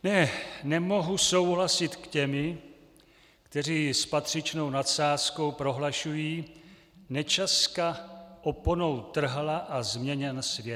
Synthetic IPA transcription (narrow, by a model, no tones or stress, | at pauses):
nɛnɛmo̞ɦuso̞wɦlasɪt̪kcɛmɪ | kt̪ɛr̝iːspat̪r̝̥ɪt͡ʃno̞wnat̪saːsko̞wpɾo̞ɦlaʃujiː | nɛt͡ʃaskaʔopono̞wt̪r̩ɦlaʔazmɲɛɲɛnsvjɛt